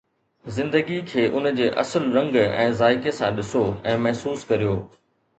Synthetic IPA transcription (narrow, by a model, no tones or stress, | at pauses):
zɪ̃nd̪əɡikʰeːʔʊnəd͡ʑeːʔɐ̰səlɾɐ̃ŋɡɛ̰̃ːzaːɪkesãɗɪsoɛ̃ːmɐɦsuːskɐɾijoː